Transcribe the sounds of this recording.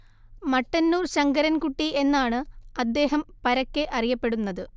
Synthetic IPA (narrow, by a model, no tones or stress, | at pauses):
mɐʈːɐnːuːrɕɐŋɡɐɾɐnkuʈːiʔe̞nːaːɳɨɐd̪ːe̞ːɦɐmpɐɾɐkːeʔɐrijɐpːe̞ɽunːɐðɨ